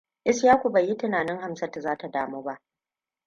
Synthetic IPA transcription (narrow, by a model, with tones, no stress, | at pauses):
ʔɪ˦sjaː˦kʷu˨bɐ˨jːi˦tɪ˦naː˨nɪ˦ŋha˦msɐ˦ta˨zaː˦ta˨daː˦moː˦ba˦ʔ